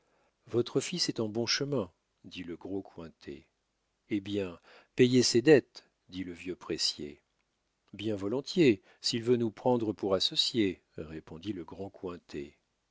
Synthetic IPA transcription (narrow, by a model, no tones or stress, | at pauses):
vɔt̪χəfisɛt̪ɑ̃bɔ̃ʃəmɛ̃ | d̪iləɡʁokwɛ̃t̪ʰḛ | ebjɛ̃ | pejesed̪ɛt̪ | d̪iləvjøpχesjḛ | bjɛ̃vɔlɔ̃t̪je | silvønupχɑ̃d̪ʁəpuʁasɔsje | ʁepɔ̃d̪iləɡʁɑ̃kwɛ̃t̪ʰḛ